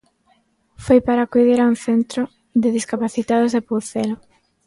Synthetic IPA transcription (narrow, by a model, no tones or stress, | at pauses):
fojpaɾakujðeɾaunθent̪ɾo | ðɪðiskapaθit̪aðozðepuθelo